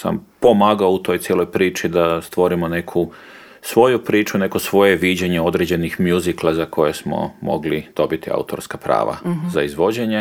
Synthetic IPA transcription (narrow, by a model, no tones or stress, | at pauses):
sa̰mpo̞maːɡaout̪o̞jt̪sjelo̞jpɾiːt͡ʃid̪ast̪ʋo̞ɾimone̞kʰu | sʋo̞jupɾiːt͡ʃune̞kosʋo̞je̞ʋid͡ʑeɲe̞o̞d̪ɾed͡ʑe̞nixmjuziklˠazako̞jesmo̞̰mo̞̰ɡlid̪̥o̞bit̪ia̰ut̪o̞̰ɾskapɾa̰ːʋa̰zaizʋo̞d͡ʑeɲe